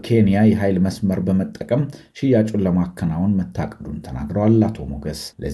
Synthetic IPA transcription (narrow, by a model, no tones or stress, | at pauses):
kʰe̞nijajɛɦajlməsməɾbəmət̪ʼːəkʼəm | ʃɪjat͡ʃʼulːəmakʰːənawunmət̪ʰːakʼəd̪unt̪ʰəna̰ɡɾəwalːat̪ʰomoɡəslə̰